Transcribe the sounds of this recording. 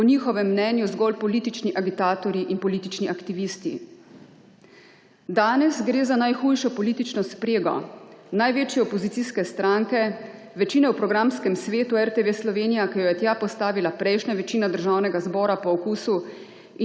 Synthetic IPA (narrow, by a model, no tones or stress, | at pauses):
pɔniːxɔʋɛmːnɛːnjuzɡɔlpɔliːt̪it͡ʃniʔaɡit̪aːt̪ɔɾiʔinpɔliːt̪it͡ʃniʔakt̪iʋist̪ḭ | d̪aːnɛsɡɾeːzanajxuːjʃɔpɔliːt̪it͡ʃnɔspɾeːɡɔ̰najʋeːt͡ʃjɛɔpɔzit̪siskɛst̪ɾaŋkɛ | ʋɛt͡ʃiːnɛwpɾɔɡɾamskɛmsʋeːt̪uɛɾt̪eʋeslɔʋeːnijakijɔjɛt̪japɔst̪aːʋilapɾɛjʃnaʋɛt͡ʃiːnad̪əɾʒawnɛɡazbɔːɾapɔːkuːsu | i